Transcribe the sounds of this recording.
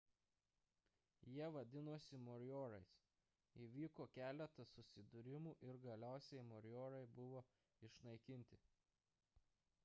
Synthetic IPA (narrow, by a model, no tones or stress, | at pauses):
jiɛʋɐd̪ʲɪnoːsʲɪmɔɾʲjoːɾɐɪs | iːʋʲiːkoːkʲæːlʲɛt̪ɐsʊsʲɪd̪ʊɾʲɪmuːʔɪɾɡɐlʲæˑʊsʲɛɪmɔɾʲjoːɾɐɪbʊʋoː | ɪʃnɐɪkʲɪnʲt̪ʲɪ